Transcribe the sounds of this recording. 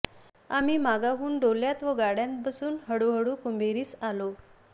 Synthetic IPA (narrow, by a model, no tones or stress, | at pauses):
amiːmaɡaɦuːnɖoljãt̪ʋəɡaɽjãnt̪̚bəsuːnɦəɽuɦəɽuːkumbʱeɾiːsalo